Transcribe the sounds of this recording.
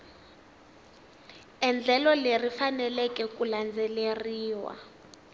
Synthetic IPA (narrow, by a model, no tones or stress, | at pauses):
ɛnd͡ɮʱɛlɔlerifanɛlɛkɛkʼuland͡zɛleriːwa̰